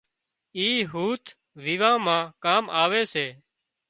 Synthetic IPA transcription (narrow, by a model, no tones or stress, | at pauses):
iːɦuːt̪ʰ | ʋiʋãːmãːkaːmaːʋeːseː